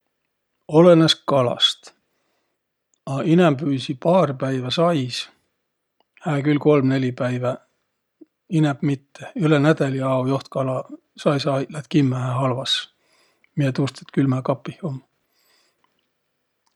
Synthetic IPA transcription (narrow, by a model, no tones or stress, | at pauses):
o̞leneskɑlɑ̰st̪ | ɑinɛmpyːsipɑːrpæjvæsɑjs | hæːkylko̞lmne̞lʲipæjvæ | inɛb̥mit̪ːeylenæd̪̥ɑliɑwjoht̪̚kɑlɑ | sɑjsɑlæt̪kimːææɦɑlvɑs | miet̪ust̪e̥t̪kylmækɑpːˑihomː